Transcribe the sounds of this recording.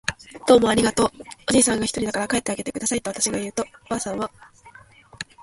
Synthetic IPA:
d̪̥o̞ːmo̞aɾʲiɡat̪o̞ːoʑiːsãŋɡaçi̥t̪o̞ɾʲid̪akaɾakae̞t̪ːe̞aɡe̞t̪e̞kɯd̪asait̪oat̪aɕiɡajɯ̟ːt̪o̞baːsãɰ̃βa

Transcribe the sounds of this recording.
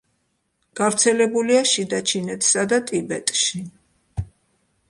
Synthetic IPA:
ɡ̥avɾt̪sʰɛlɛbuliaʃid̪at͡ʃʰinɛt̪ʰsad̪at̪ʼibɛt̪ʼʃi

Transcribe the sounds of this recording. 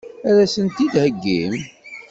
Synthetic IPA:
æɾæsənt̪id̪həɡːḭm

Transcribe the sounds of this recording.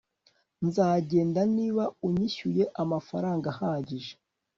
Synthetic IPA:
nzaːɟe̞ːndaniːβauɲiçuje̞ʔamafaɾaːŋɡahaːɟiʒe̥

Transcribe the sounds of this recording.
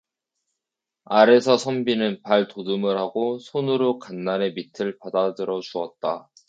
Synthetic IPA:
aɾe̞sʰʌsʰʌmbinɯnpaɭtodɯmɯɾhaɡosʰonɯɾokanːane̞mitʰɯɭpadadɯɾʌt͡ɕuʌt̚t͈a

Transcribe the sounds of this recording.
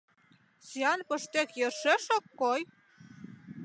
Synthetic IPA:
siɑnpə̆ʃt̪ekjɤrʃeʃokːoj

